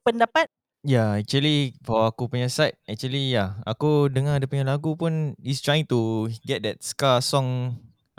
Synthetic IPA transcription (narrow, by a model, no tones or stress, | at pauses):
pəndapat̚ | jaɛk̚t͡ʃuəlifɔwaakupuɲasajt̚ɛk̚t͡ʃuəlijaa̰kudəŋadəpuɲalaɡupunist̪ɹajɪ̃ŋt̪uɡɛt̚dɛt̚skasɔ̃ŋ